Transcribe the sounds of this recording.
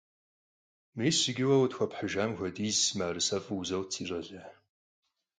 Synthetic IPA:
meːsɪɡʲɪwɐwtxʷɐpħəʒaːmxʷɔdiːzmaːrɨsɐfʼɨzɐwt͡sʰiːɕʼɐɮɐ

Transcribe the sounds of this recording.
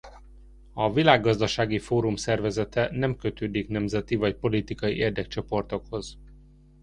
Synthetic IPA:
ɒvilaːɡːɒzd̪ɒʃaːɡifoːɾumsɛrvɛzɛt̪ɛnɛmkøt̪øːd̪iknɛmzɛt̪ivɒcpo̞lit̪ikɒjiʔeːrd̪ɛk̚t͡ʃo̞po̞rt̪o̞kho̞z̥

